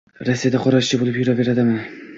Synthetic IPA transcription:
ɾasːijad̪aqʰɒɾaʃt͡ʃɪbolɪpjʊɾabe̞ɾad̪ɪmɪ

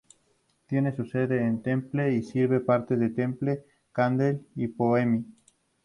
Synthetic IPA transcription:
t̪je̞ne̞suse̞ðeːnt̪e̞mple̞isiɾβe̞paɾt̪eðet̪e̞mple | kand̪elipoemi

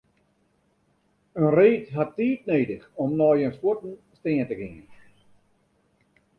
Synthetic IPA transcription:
ənreːtɦatːiːt̚neːdəxɔmnɔːjənswotn̩steːəntəɡɪŋə̰n

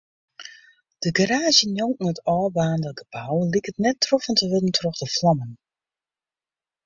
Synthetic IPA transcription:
d̥əɡaɾaːzjənjoŋn̩ətɔːbaːndəɡəpʰawəlikətnɛtːrɔfəntəʋɪdən̩tʰrɔχdəflɑmən

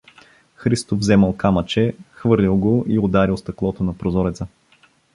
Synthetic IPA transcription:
xɾist̪ovzɛməlˠkamət͡ʃɛxvɤɾlʲilˠɡoʔiod̪aɾilˠst̪ɐklˠɔt̪onɐpɾozɔɾɛt̪sə

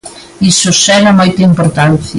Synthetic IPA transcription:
isʊsɛɾɐmojt̪ɐimpoɾt̪anθj

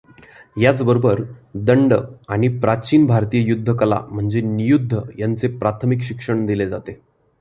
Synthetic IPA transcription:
jat͡sbəɾobəɾd̪əɳɖəaɽ̃ipɾat͡ɕiːnbʱaɾt̪ijəjud̪ʱːəkəla̰m̤əɳd͡zenijud̪ʱːəjant͡sepɾat̪ʰəmikɕikʂəɳd̪iled͡zat̪e

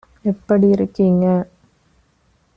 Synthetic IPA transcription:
ɛpːɐɽijɪɾɯkːɯŋɡɐ

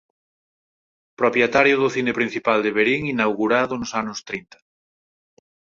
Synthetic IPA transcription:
pɾopjet̪aɾjʊðʊθinepɾin̟θipald̪eβeɾiŋinawɣuɾaðʊnʊsanʊst̪ɾint̪ḁ

